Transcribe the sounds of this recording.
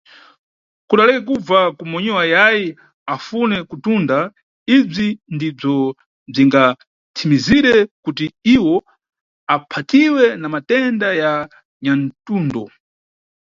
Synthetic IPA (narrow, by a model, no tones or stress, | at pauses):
kuɗalɛkɛk̬ub͡vakumɔɲɛwajaji | afunɛkutunda | ib͡ʐindib͡ʐɔ | b͡ʐiŋɡa | tʰimiziɾɛkutiiwɔ | apʰatiwɛnamatɛndaja | ɲantuːndɔ